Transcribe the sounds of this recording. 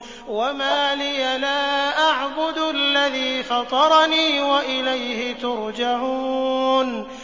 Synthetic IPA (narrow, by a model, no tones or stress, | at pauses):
wamaːlɪjalaːʔaʕbʊd̪alːaðiːfɑt̪ˤɑɾˤɑniːwaʔɪlajhɪt̪ʊɾd͡ʒaʕuːn